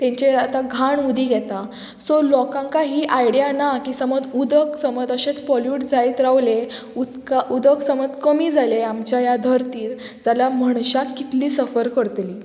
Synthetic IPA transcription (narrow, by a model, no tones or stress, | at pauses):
t̪ɛ̃ɲt͡ɕeat̪aɡʱaɳud̪ʱiːɡʱjɛt̪a | sɔlɔkãŋkaɦiːʔajɽjanakiːsəməd͡zud̪əksəməd͡z̪əɕẽt͡spɔljuʈd͡zait̪ɾaʋle | ut̪kaʔud̪əksəməd̪kəmiːd͡zʱaleamt͡ɕjajad̪ʱəɾt̪iːɾ | d͡zaljaməɳɕakit̪liːsəfəɾkəɾt̪liː